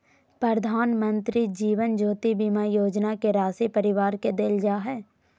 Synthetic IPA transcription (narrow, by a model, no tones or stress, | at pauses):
pɾəɾd̪ʱaːnmə̃nt̪ɾid͡ʒiːʋənd͡ʒoːt̪ibimajoːd͡ʒnakeɾaːsipəɾɪʋaːɾked̪eld͡ʒaːɦɛː